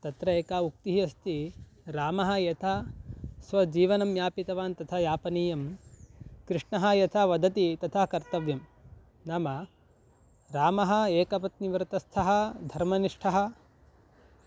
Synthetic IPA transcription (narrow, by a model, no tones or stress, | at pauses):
t̪ɐt̪ɾɐeːkaːuk̚t̪iɦiɐst̪ʰi | ɾaːmɐɦɐ̆jɐt̪ʰasʋɐd͡ʒiːʋɐnɐmjaːpit̪ɐʋaːnt̪ɐt̪ʰɐjaːpɐniːjɐm | kɾɪʂɳɐɦɐjɐt̪ʰaʋɐd̪ʱɐt̪it̪ɐt̪ʰɐkɐɾt̪ɐʋjɐm | nɐmɐ | ɾaːmɐɦɐ̆eːkɐpɐt̪̚niʋɐɾt̪ɐst̪ʰɐɦɐd̪ʱɐɾmɐniʂʈʰɐɦɐ